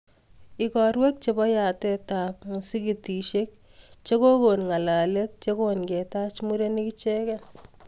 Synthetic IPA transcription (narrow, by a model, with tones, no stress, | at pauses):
i˨kɔ˨ɾwe˦k̚t͡ʃe˨bɔ˦ja˨te˦ta˨pmu˨si˦ki˨ti˨ʃe˦k̚ | t͡ʃe˦ko˦ko˨nŋa˨la˨le˦t̚t͡ʃe˦konke˨ta˦t͡ʃmu˦ɾe˦niki˦t͡ʃe˦kɛ˦